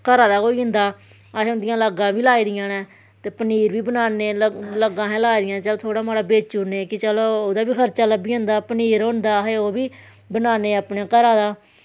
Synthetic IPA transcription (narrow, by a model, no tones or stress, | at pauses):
kəɾaːd̪aːkoːiːɦə̃nd̪aː | əɦeːʊd̪ɪjãːləɡãːʋiːlaːiːd̪ɪjãːnɛ̃ː | t̪eːpəniːɾʋiːbənaːneːlələɡãːɦɛ̃ːlaːiːd̪ɪjãːt͡ʃəloːt̪ʰoːɽaːmaːɽaːbeːt͡ʃuːneːkɪt͡ʃəloːoːd̪aːbiːkʰəɾt͡ʃaːləbiːɦnd̪aːpəniːɾɦõnd̪aːɦeːoːbiː | bənaːneːaːpneːkəɾaːd̪aː